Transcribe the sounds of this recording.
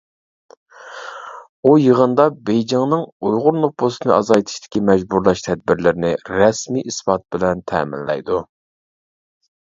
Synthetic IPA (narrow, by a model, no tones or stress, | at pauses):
ujəʁənd̪ɑbejd͡ʒɑŋnɨŋujʁʊɾnobosɨnɨ̰ʔɑzɑjt̪ʰi̥ʃt̪ʰɪ̥kʲimɛd͡ʒbuɾlˠɑʃt̪ʰɛd̪̚bɪɾlɪɾnɪɾɛsmiʔispɑt̪̚bɪlɛnt̪ʰɛ̰ːmɪ̰nlɛ̰jd̪u